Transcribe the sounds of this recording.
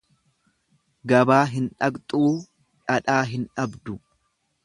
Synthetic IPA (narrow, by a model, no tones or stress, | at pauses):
ɡɐbaːɦɪnᶑɐkt̪ʼuː | ᶑɐᶑaːɦɪnᶑɐbd̪ʊ